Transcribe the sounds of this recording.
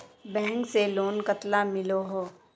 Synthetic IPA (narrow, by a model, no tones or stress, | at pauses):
bɛ̃ɦŋkseloːnkət̪lamɪloɦoː